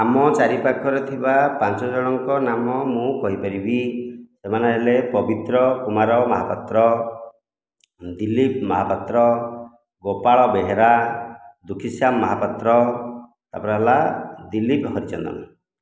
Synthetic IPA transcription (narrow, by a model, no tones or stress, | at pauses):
amɔt͡ʃaɾipakʰɔɾet̪ʰibapant͡ʃɔd͡ʒɔɽ̃ɔŋkɔnamɔmũkɔɦipaɾibisemaneɦelepɔbit̪ɾɔkumaɾɔmɔɦapɔt̪ɾɔ | d̪ilip̚mɔɦapɔt̪ɾɔ | ɡopaɭɔbeɦeɾa | d̪ukʰisjamːɔɦapɔt̪ɾɔ | t̪a̰pɔɾaɦalad̪ilipɦɔɾit͡ʃɔ̰nd̪ɔ̰na